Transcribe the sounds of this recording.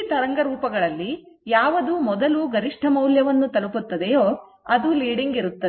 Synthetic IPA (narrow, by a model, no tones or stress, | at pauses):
t̪ɐɾɐŋɡɐɾuːpɐɡɐɭɐlːi | jaːʋɐd̪umɔd̪ɐluɡɐɾiʂʈʰɐmɐwljɐʋɐnːut̪ɐluput̪ːɐd̪ejoː | ɐd̪uliːɽiŋɡiɾut̪ːɐ